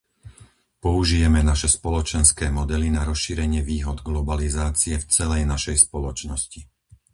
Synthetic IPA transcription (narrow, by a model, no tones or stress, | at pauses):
pɔuʒijɛmɛnaʃɛspɔlɔt͡ʃɛnskɛːmɔd̪ɛlinaɾɔsʃiːɾɛɲɪɛʋiːɦɔd̪ɡlɔbalizaːt͡siɛft͡sɛlɛjnaʃɛjspɔlɔt͡ʃnɔsci